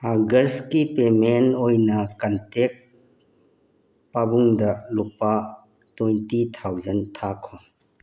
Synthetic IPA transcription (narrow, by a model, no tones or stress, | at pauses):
aɡɐstkipemenojnɐkɐntek̚ | pabuŋdɐlupa | tujntitʰawzɐntʰakʰːɔ